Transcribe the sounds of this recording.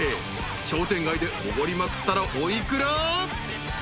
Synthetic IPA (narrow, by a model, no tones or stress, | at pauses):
e | ɕo̞ːt̪ẽ̞ŋɡaid̪e̞oβoɾʲimakɯ̟̥t̪ːaɾaʔoikɯ̟ɾa